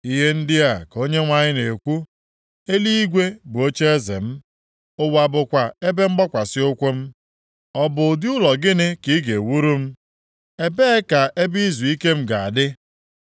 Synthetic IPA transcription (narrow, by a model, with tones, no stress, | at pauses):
i˦ɦe˦n̩˦dɪ˦a˨ko˦ɲe˦ŋʷa˦ɲɪ˦ne˨kʷu˦ | e˦li˦i˦ɡʷe˦bʊ˨o˦t͡ʃe˦e˦zḛ˨m̩˦ | o˦wa˨bʊ˨kʷa˨e˦be˦ŋ͡m̩˦ɡ͡bɔ˦kʷa˨sɪ˦ʊ˦kʷo˦m̩˦ | ɔ˦bʊ˨dɪ˦ʊ˦lɔ˨ɡɪ˦nɪ˦ki˨˦ɡe˨wu˦ɾu˦m̩˦ | e˦be˦ka˨ʔe˦bi˦zu˨i˦ke˦m̩˦ɡa˨a˨dɪ˦